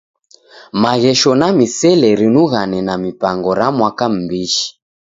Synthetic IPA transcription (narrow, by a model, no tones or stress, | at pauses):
maɣɛʃɔnamisɛlɛɾinuɣanɛnamipaŋɡɔɾamwakam̩biʃi̥